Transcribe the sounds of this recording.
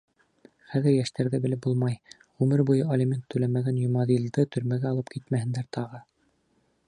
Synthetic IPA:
χæðɘɾjæʃt̪æɾðɘbɘ̆lɘp̚bulˠmɑj | ʁʉmɘɾbujɤɐlʲimʲent̪ʰːʉlæmæɡænjŏmɑðild̪ɤt̪ʰɵ̆ɾmæɡæɑlˠɤp̚kʰit̪mæhɘ̆nd̪æɾt̪ʰɑʁɤ

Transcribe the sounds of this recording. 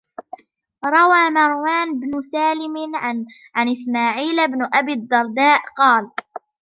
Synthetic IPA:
ɾˤɑwaːmɑɾˤwaːnbnʊsaːlɪmʕ | ʕanʔɪsmaːʕiːlɪbnʊʔabiːd̪ːɑɾˤd̪aːʔqɑːl

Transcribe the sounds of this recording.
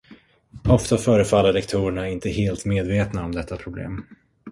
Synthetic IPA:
ɔft̪afœːɾəfalːəɭɛkt̪ʰuːɾɛɳaɪnt̪əheːlt̪meːd̪veːt̪naɔmd̪ɛt̪ʰːapʰɾʊblḛːm

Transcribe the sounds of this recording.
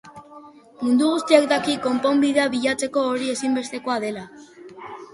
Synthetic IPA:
mund̪uɣ̞ust̪iak̚d̪akiko̞mpo̞mbiðeaβiʎat͡se̞ko̞ːɾie̞simbe̞st̪e̞ko̞aðe̞la

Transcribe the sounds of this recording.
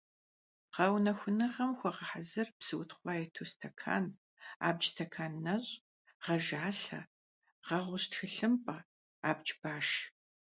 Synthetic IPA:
ʁɐwnɐxʷʊnɐʁɐmxʷɔʁɐħazɨrbsɨwʊtʰχʷɑːjɛtʰustʰɐkʰa̰ːn | a̰ːbd͡ʒtʰɐkʰaːnːɐɕʼ | ʁɐʒaːɬɐ̰ | ʁɐʁʷʊɕtxɨɬɨmpʼɐ | aːbd͡ʒbaːʃ

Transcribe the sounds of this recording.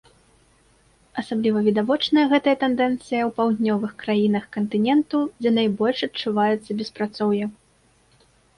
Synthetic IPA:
ɐsablʲivɐvʲid̪avɔt͡ʂnɐjɐɣɛt̪ɐjɐt̪ɛnd̪ɛnt̪sɨjɐwpawd̪ʲnʲɔvɨxkɾajin̪ɐxkɐnt̪ɨnʲɛnt̪ud͡zʲɛnajbɔlʲʂɐtt͡ʂːuvajɛt̪sːɐbʲɛspɾat̪sɔwjɐ

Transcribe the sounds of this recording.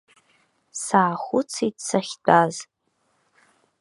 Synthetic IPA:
saːχʷʊt͡sʰitsaχʲdʰʼaz

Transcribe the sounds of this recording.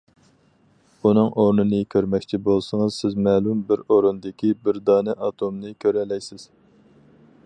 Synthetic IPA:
unɨŋʔoɾnɨnɨkʲʰøɾmɛkʲt͡ʃʰibolˠsɨŋɨzsɪzmɛːlumbɪɾoɾund̪ɪkʲʰibɪɾd̪ɑːnɛʔɑt̪ʰomnɨkʲʰøɾɛlɛjsɪz̥

